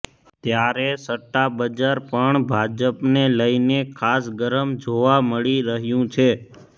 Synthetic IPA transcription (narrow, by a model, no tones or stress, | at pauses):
t̪jaɾesəʈːabəd͡ʒaɾpəɳbʱad͡ʒəpneləinekʰasɡəɾəmd͡ʒoʋaməɭiɾəɦjũt͡ʃʰe